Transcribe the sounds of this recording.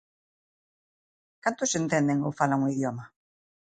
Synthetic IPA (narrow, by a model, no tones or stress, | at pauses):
kant̪ʊsent̪end̪eŋofalaŋoiðjɔma